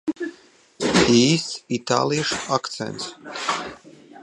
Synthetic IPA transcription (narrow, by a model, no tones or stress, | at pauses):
iːsit̪a̰ːlˠijʃakt̪sɛ̰nt̪s